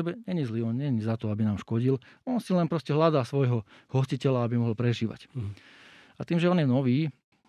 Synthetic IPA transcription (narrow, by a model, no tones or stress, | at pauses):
ɛbɛɲɛɲizliːɔnɲɛɲizat̪ɔabinaːmʃkɔɟilɔnsilɛnpɾɔscɛɦlad̪aːsʋɔjɦɔhɔscicɛlaabimɔɦɔlpɾɛʒiːʋa̰c | at̪iːmʒɛɔnjɛnɔʋiː